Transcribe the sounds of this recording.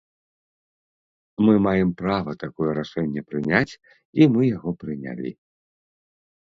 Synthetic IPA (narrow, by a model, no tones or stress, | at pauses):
mɨmajɛmpɾavɐt̪akɔjɛɾaʂɛnʲːɛpɾɨnʲat͡sʲ | imɨjaɣɔpɾɨnʲa̰lʲḭ